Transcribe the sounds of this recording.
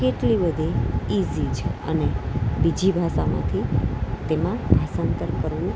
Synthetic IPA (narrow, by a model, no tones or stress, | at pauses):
keʈlibəd̪ʱiizid͡ʒə̰nebid͡ʒʱibʱaʃamã̰t̪ʰit̪emãbʱasant̪əɾkəɾʋũ